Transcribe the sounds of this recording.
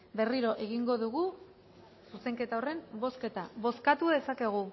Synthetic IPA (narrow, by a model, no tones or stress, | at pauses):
be̞riɾo̞ʔe̞ɣiŋɡo̞ðuɣu | suse̞ŋke̞t̪aore̞mbo̞ske̞t̪aβo̞skat̪uðe̞sake̞ɣ̞u